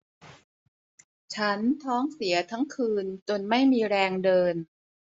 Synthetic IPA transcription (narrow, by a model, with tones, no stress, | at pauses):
t͡ɕʰa˦˥nt̪ʰɔː˦˥ŋsi˩˦ɐt̪ʰa˦˥ŋkʰɯː˧nt͡ɕo˧nma˥˩jmiː˧ɾɛː˧ŋdɤː˧n